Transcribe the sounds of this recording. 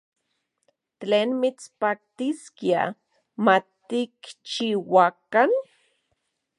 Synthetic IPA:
t̪leːnmit͡spak̚t̪iskia̰ | mat̪ikt͡ʃiwakan

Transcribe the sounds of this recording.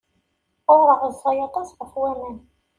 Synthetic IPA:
ʊɾəʁəðsɑjɑt̪ˤɑsʁəfwæmæn

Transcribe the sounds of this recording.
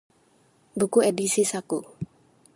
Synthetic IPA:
bukuedisisaku

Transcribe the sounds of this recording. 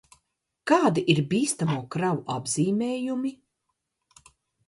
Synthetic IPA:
kaːd̪iʔiɾbiːst̪amuɔkɾawuʔabziːmʲeːjumi

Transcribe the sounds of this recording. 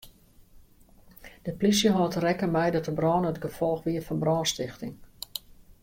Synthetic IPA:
d̥əplis̬jəɦɔːtərɛkəmɛjdɔtəbrɔːnəətɡəfɔlˠxʋiəfɔnbrɔːnstɪxtɪŋ

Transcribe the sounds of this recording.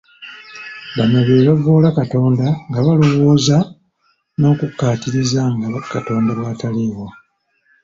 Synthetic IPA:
βanoβeːβavoːlakato̞ːndaŋɡaβalowoːza | no̞ːkukːaːtiɾizaŋɡakato̞ːndaβaːtaliːɣwa

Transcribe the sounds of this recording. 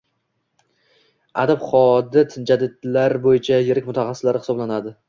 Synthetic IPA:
a̰d̪abχɒd̪ɪt̪ʰɪnd͡ʒad̪ɪd̪laɾbojɪt͡ʃʰajeɾɪk̚ʲmʊt̪ʰaχɑsːɪ̥slaɾɪɪ̥sɒblanad̪ɪ

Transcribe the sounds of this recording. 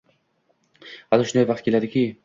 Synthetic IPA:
halɪʃʊnd̪ajvɑqt̪̚kʲʰelad̪ɪkʲi

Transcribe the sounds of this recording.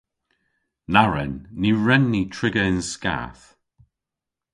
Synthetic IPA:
naɹɛ̰nːiɹɛnːitʰɹɪɡəɪnska̰ːθ

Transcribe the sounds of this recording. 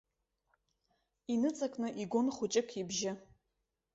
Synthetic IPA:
inɨt͡sʼakʷʼnɨʔiɡʷʊnχʷʊt͡ʃʼɪkʰibʒɪ

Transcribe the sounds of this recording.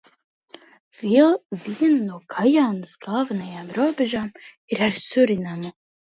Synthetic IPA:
vilˠviɛnnuɔkʰajaːnɨsɡaːvɐnajaːmɾuɔbʲɛʒaːm | iɾaɾsuɾinamɨ

